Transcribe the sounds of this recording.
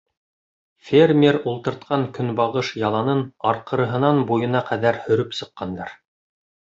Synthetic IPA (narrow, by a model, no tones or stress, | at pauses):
fʲerʲmʲeɾulˠt̪ɤ̆ɾt̪̚qɑŋkɵnbɑʁɤʃjɑlˠɑnɤnɑɾqɤ̆ɾɤ̆ɦɤ̆nɑnbujɤ̆nɑqʰæðæɾhɵ̆ɾɵpsɤ̆qːɑnd̪ɑ̰ɾ